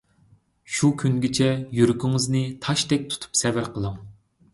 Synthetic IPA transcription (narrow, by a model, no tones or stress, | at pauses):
ʃukʲʰyŋɡʲɪt͡ʃʰɛjyɾykʲiŋɨznɨt̪ʰɑʃt̪ɛk̚ʲt̪ʰu̥t̪ʰu̥psɛvɪɾqʰəlˠɑŋ